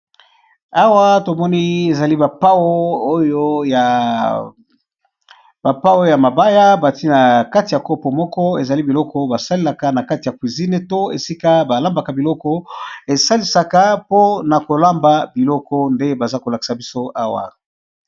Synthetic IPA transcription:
a˦wa˦to˨mɔ˦ni˦e˨za˨li˦ba˨pa˦wo˦o˦jo˦ja˨ | b̥a˨pa˦o˦jo˦ja˨ma˨ba˦ja˦ba˨ti˦na˨ka˦ti˨ja˨ko˦po˨mɔ˦kɔ˦e˨za˨li˦bi˨lɔ˦kɔ˦ba˨sa˦le˦la˨ka˦na˨ka˦ti˨ja˨kwi˨zi˦ne˨to˦ḛ˨si˦ka˦ba˨la˦mba˨ka˨bi˨lɔ˦kɔ˦e˨sa˦li˨sa˨ka˦po˦na˨ko˨la˦mba˨bi˨lɔ˦kɔ˦nde˦ba˨za˦ko˨la˨ki̥˨sa˨bi˦so˦ʔa˦wa̰˨

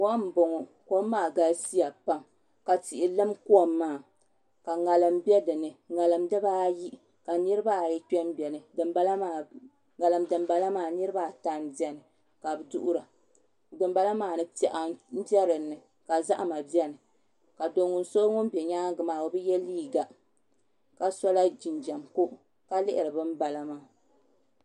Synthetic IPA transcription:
wa˦m̩˨bo˨ŋɔ˨koː˦aː˦˨ɡa˨˦si˦ja˨pa˦m | ka˨ti˨ʔɪ˨lɨ˦mku˦ɔ˦mː˦aː˨ | ka˨ŋa˨lɨ˨mbɛ˦dɨ˨nɨ˨ŋa˨lɨ˨mdɨ˦baː˦ji˦ʔ | ka˨nɨ˦ɾɨ˦ba˦˨jɛ˦k͡pɛ˦m˦bɛ˨nɨ˨dɨ˨mba˦la˦maː˨ | ŋa˨lɨ˨mdɨ˨m˦ba˨la˦maː˨nɨ˦ɾɨ˦ba˦˨ta˨n˦bi˦ɛ˦nɨ˨ | ka˨bɨ˨dṵ˦ʔʊ˦ɾa˨ | dɨ˨m˦ba˦la˦maː˨nɨ˦pɛ˨ʔa˨m̩˦bɛ˦ɾɨ˨nːɨ˨ | ka˨za˦ʔa˨ma˨bi˦ɛ˦nɨ˨ | ka˨do˨ŋʊ˨n̩˦so˦ŋʊ˦m˦bɛ˨ɲaː˦ɡɨ˨maː˨o˨bɨ˦jɛ˦liː˦ɡa˨ | ka˨sɔ˦la˦d͡ʒi˨nd͡ʒa˨mko˦ʔ | ka˦lɪ˦ʔɪ˨ɾɨ˨bɨ˦m̩˦ba˨la˦maː˦˨

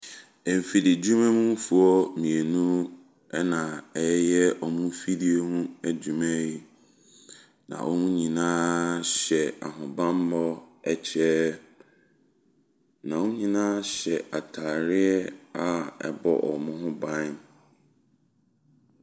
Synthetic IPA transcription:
ɛ˨m˨fi˨di˨d͡ʑu˦mɛ̃˦mũ˦m˦fu˨ɔ˦mĩ˨e˨nũ˦ | ɛ˦nã˨ɛ˨˦jɛ˦ʔɔ˨mʊ̃˦fi˦di˦e˦nũ˦æ˦d͡ʑu˨mɛ̃˦ji˦ | nã̰˨ʔɔ˦nũ˦ɲĩ˨nãː˦ɕɛ˨a̰˨ɦʊ̃˨bã˦m˦bɔ˦ɛ˦t͡ɕʰɛ˦ | nã˨wʊ̃˦ɲĩ˦nãː˦ɕɛ˨a˨tʰaː˨ɾɪ˦ɛ˦a˨ɛ̰˨bɔ̰˦ʔɔ̰˨mʊ̃˦ɦʊ̃˦bã˦n

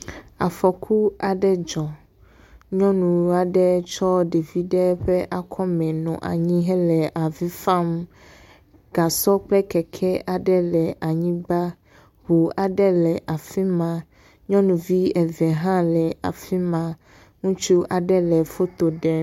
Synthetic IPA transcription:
a̰˨fɔ˨kʰu˦a˨ɖɛ˦d͡ʒɔ˨ | ɲɔ̃˦nũ˨a˨ɖɛ˦t͡ʃɔ˦ɖe˨vi˦ɖɛ˦ɸɛ˦ʔa˨kʰɔ˦mɛ̃˨nɔ̰̃˨ʔa̰˨ɲĩ˦ɦɛ˦lɛ˨ʔa˨vi˦fã˦m | ɡ̥a˨sɔ˦k͡plɛ˦kɛ˨kʰɛ˦ʔa˨ɖɛ˦lɛ˨ʔa˨ɲĩ˦ba˦ | hu˨a˨ɖɛ˦lɛ˨ʔa˨fi˦mã˨ | ɲɔ̃˦nũ˨vi˦ɛ˨vɛ˨ɦã˦lɛ˨a̰˨fi˦mã˨ | ŋũ˦t͡ʃu˦a˨ɖɛ˦lɛ˨fo˦t̪o˨ɖɛ˦

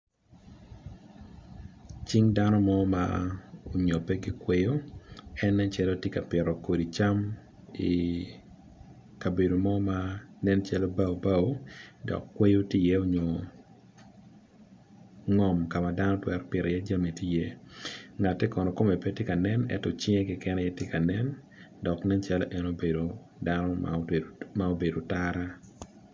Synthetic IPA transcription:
t͡ʃi˦ŋda˦nɔ˦mɔ˦ma̰o˨ɲo˨pɛ˦ɡi˦kwe˦jo˦ɛ˦nːɛ˦nt͡ʃɛ˦lo˦tje˦ka˨pɪ˨ɾɔ˨ko˨di˨t͡ʃa˦m | i˨ | ka˨be˨do˨mɔ˦ma˦nɛ˦nt͡ʃɛ˦lo˦ba˦o˨ba˦˨wo˦dɔ̰˨kːwe˦jo˦ti˦je˦o˦ɲo˨ | ŋɔ˨mka˨ma˨da˦nɔ˦twɛ˦rpɪ˨ɾɛ˨jɛ˦d͡ʒa˦mi˨ti˦je˦ŋa˨tːɛ˦kɔ˨nɔ˨ko˦me˨pe˦tjɪ˦ka˨nɛ˦nɛ̰˨tɔ˨t͡ʃɪ˦ŋe˦kɪ˨kɛ˦nɛ˦jɛ˦tje˦ka˨nɛ˦n | dɔ˨knɛ˦nt͡ʃa˦lo˦ʔɛ˨no˦be˨do˨ | danɔ̰˦ | ma˦o˦be˨do˨taɾa˦

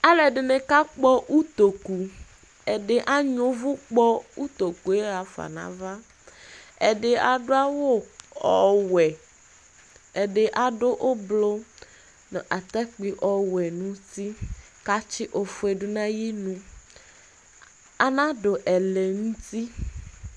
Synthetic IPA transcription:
a˦lɛ˨ɖe˨ne˨ka˦k͡pɔ˦ʔu˦t̪o˨ku˨ | e˨ɖe˦ʔa˦ɲõ˦vu˦k͡pɔ˦u˦t̪o˨ku˨e˦a˨fa̰˨nã̰˨va˦ | ḛ˨ɖe˦a˨ɖo˦a˦wo˦ɔ˨wɛ˨ | e˨ɖe˨ʔa˨ɖo˦ʔo˦blo˦ | ne˨ʔa˨t̪ɛ˦k͡pi˨ʔɔ˨wɛ˨nũ˨t̪i˦ | ka˦t͡ʃi˦ʔo˨fu˦e˨ɖo˦nã˦ji˦nũ˦ | a˨nã˦ɖo˨ʔɛ˨le˨ŋũ˦t̪i˦

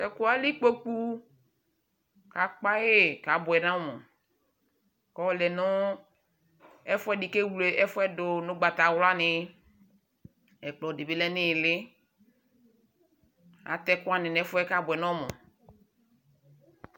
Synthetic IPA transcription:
tɛ˨kʊ˦a˨˦lɪ˦k͡po˦k͡pu˦ | ka˨k͡pa˦je˦ka˨˦bʊ˨ɛ˨nã˦mɔ̃˨ | kɔ˦lɛ˨nʊ˦ | ɛ˦fʊ˦ɛ˦di˨ke˦wu˨le˨ɛ˦fʊ˦ɛ˦dʊ˨nʊ̃˦ɡ͡ba˨t̪a˨wla˦nɪ˨˦ | ɛ˨k͡plɔ˨de˨be˨lɛ˦nɪ̃˦˨lɪ˦ | a̰˨t̪ɛ˦kʊ˦a˦nɪ̃˨nɛ˦fɛ˦ka˨˦bʊ˨ɛ˨nɔ̃˦mɔ̰̃˨

